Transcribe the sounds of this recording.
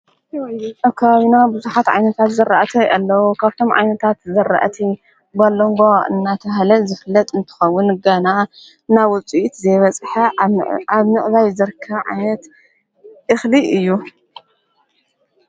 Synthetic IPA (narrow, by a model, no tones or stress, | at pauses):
kʰːaβaβinabɨzuħat̪ʕa̰jnɐt̪ʰat̪zɐɾaʔt̪ʰɐjʔalːɐwukʰaβt̪ʰo̞mʕa̰jnɐt̪ʰat̪zɐɾa̰ʔt̪ʰi | balːoŋɡoɨ̰nːat̪ʰɐɦlɐzɨfɨlːɐt̪ʼɨnt̪ʰɨ̥xɐwːʊnɡɐna | nawʊt͡sʼiʔt̪zɐjβɐt͡sʼħɐaβnɨʔβajzɐɾkʰːɐβʕa̰jnɐt̪ | ʔɨxliʔɨjːu